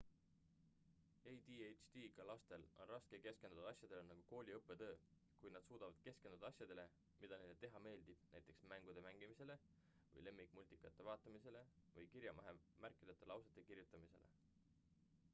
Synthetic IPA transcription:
ejd̪iejt͡ʃt̪iɡ̥ɑlɑst̪e̞lo̞̰nrɑskeke̞ske̞nd̪ud̪ɑɑsʲjɑd̪̥e̞lenɑɡ̥uko̞ːlʲiɤpːˑe̞t̪ø̞ː | kujnɑd̪̥suːd̪̥ɑvɑd̪̥̚ke̞ske̞nd̪̥ud̪ɑɑsjɑd̪̥e̞le̞ | mid̪̥ɑnend̪et̪e̞ɦɑme̞ːld̪̥ib̥næjt̪ːˑe̞ksmæŋɡ̥ud̪̥e̞mæŋɡ̥imise̞le̞ | vɤ̰jle̞mːikˑmulʲt̪ikːˑɑt̪ːˑe̞vɑːt̪ːˑɑmise̞le̞vɤjkiɾjɑmʔɑɦemærkːˑid̪ɑt̪ːˑelɑwset̪ːˑe̞kirjut̪ːˑɑmise̞̰le̞̰

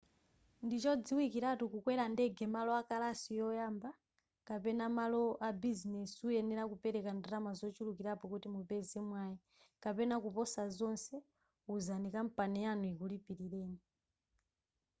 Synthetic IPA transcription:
ndit͡ʃɔd͡ziwikiɾatukukwɛɾandɛɡɛmalɔakalasijɔjaːmba | kapɛnamalɔʔabizinɛsujɛnɛɾakupɛɾɛkandɾamazɔt͡ʃulukiɾapɔkutimupɛzɛmwaːji | kapɛnakupɔsazɔnsɛ | uzanikam̩panɛjanuikulipiɾiɾɛːni

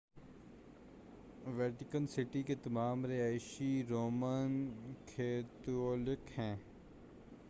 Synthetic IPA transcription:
ʋɛːʈɪkənsɪʈiket̪ɐmaːmɾeaːɪʃiɾoːmənkʰeːt̪oːlɪkhɛ̃ː

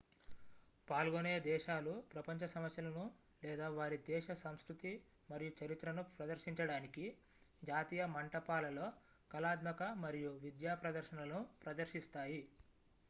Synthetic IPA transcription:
paːlɡoneːd̪ɛːʃaːlupɾɐpɐɲt͡ʃɐsɐmɐsjɐlɐnu | lɛːd̪aːʋaːɾid̪ɛːʃɐsɐmskɾut̪i | mɐɾijut͡ʃɐɾit̪ɾɐnupɾɐd̪ɐɾʃiɲt͡ʃɐɽaːniki | d͡ʒaːt̪iːjɐmɐɳʈɐpaːlɐloː | kɐlaːd̪mɐkɐmɐɾijuʋid̪jaːpɾɐd̪ɐɾʃɐnɐlnupɾɐd̪ɐɾʃist̪aːji

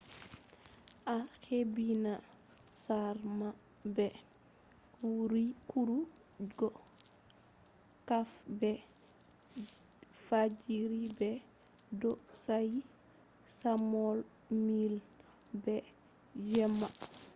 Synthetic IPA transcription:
ʔaxebina | saɾma | bɛ | wuɾikuɾu | ɡɔ | kafbɛ | fad͡ʒiɾibɛ | dɔsaj | samɔl | mil | bɛ | d͡ʒɛmːa

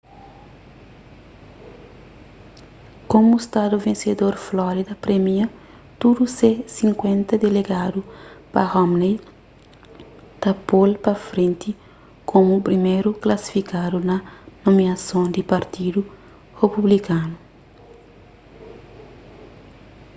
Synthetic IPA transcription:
kõmust̪ad̪uvẽnsed̪oɾflɔɾid̪ɐpɾemiɐ | t̪ud̪usesĩŋkwẽnt̪ɐd̪eleɡad̪upɐhɔmnej | t̪ɐpolpɐfɾẽnt̪i | kʰõmupɾimejɾuklɐsi̥fikad̪unɐnominɐsõnd̪ipɐɾt̪id̪u | hepublikanu

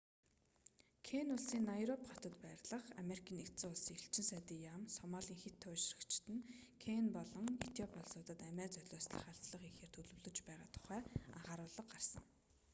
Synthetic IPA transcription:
kʰenʊɮsiːŋnajɾɔpχat̪ə̆t̪pæːrɮə̆χa̰meɾikʰiːnekt͡sɘ̆ʊɮsiːŋiɬt͡ɕɪ̆nsæːt̪iːjamsɔmaːɮiːŋxet̪ʰːʊːʃrə̆kt͡ɕʰt̪ɘ̆nkʰenpɔɮɞ̆ŋḛt̪ʰjɔpʰɔɮsʊːt̪ə̆t̪æmæːt͡sœt̪ɮʲʊːsɮə̆χaɬt͡sɮə̆χixeːr̥t̪ʰɵɮɵ̆wɮɵ̆t͡ɕpæːʁa̰ːt̪ʰʊ̥χæːa̰ʁaːɾʊːɮə̆qɢarsə̰̆ŋ

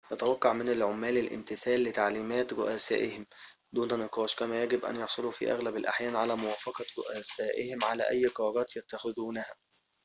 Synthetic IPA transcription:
ʔæt̪awɑqːɑʕmɪnɪlʕʊmːæːlɪlʔɪ̰mt̪ɪθæːlːɪt̪aʕliːmæːt̪ɾʊʔæsæ̰ːʔɪhɪm | d̪uːnænɪqɑːʃkæmæːjæɡɪbʔæ̰njɑħsˤoluːfḭːʔæ̰ɣlæbɪlʔa̰ħjæːnʕalæːmʊwæːfɑqɑɾʊ̰ʔæsæːʔɪhɪmʕalæ̰ːʔæjːqɑɾˤɑːɾˤɑːt̪jæt̪ːaxɪðuːnæhæː

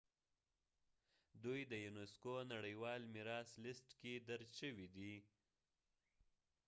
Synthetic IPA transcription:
d̪ujd̪əjuneskonaɽəjwɑlmiɾɑslɪsʈked̪aɾʃəwid̪i

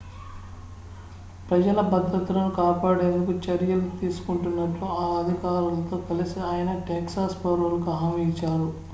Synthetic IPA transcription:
pɾɐd͡ʒɐlɐbɐd̪ːɾɐt̪ulɐnukaːpaːɽe̞ːnd̪ukut͡ʃɐɾjɐlut̪iːsu̥kuɳʈunːɐʈluaːɐd̪ʱikaːɾɐlɐt̪o̞ːkɐlisiaːjɐnɐʈeːksaːspɐɾɐlɐkɐɦɐmit͡ʃːaːɾu

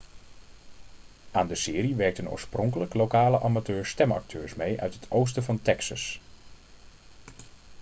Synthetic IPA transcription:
ʔaːndəsɪːɾiʋɛɹk̚təno̰ːɹsprɔŋkələklowkaːləʔamatøːɹstɛmɑ̰k̚tʰøːɹsmejʔœ̰ɥtɦətʰows̬təvɑntɛksəs

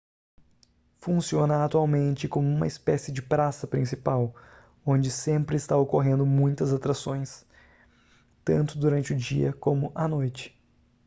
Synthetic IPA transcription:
fũsiõnɐat̪uawmẽnt͡ʃɪkõmʊũmɐ̰ɪspɛsɪd͡ʒɪpɾasɐpɾĩsipaw | õnd͡ʒɪsẽmpɾɪːst̪aokoɦẽnd̪ʊmũj̃t̪ɐzat̪ɾasõj̃s | t̪ɐ̰̃nt̪ʊd̪uɾɐ̃nt͡ʃɪʊd͡ʒiɐ̰kõmʊʔɐnojt͡ʃɪ̥

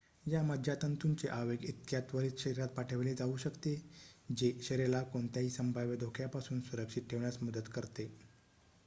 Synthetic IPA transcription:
jaməd̪ʱjat̪ənt̪unt͡seʔaʋeɡit̪jat̪ʋəɾiːt͡s̪ɕəɾiɾat̪̚paʈʰəʋled͡zauɕəkt̪ed͡ʑeɕəɾelakoɳt̪jaɦiːsəmbʱaʋjəd̪ʱokʰjapasuːnsuɾəkʂit̪̚ʈʰeʋɳjat͡sməd̪ət̪kəɾt̪e

